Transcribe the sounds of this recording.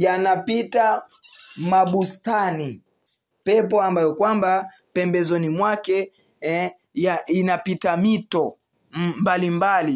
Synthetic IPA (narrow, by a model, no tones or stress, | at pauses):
janapita | maɓustani | pɛp̬ɔambajɔkwamba | pɛmbɛzɔnimwakɛ | ɛ | jaʔinapitamitɔ | mbalimbali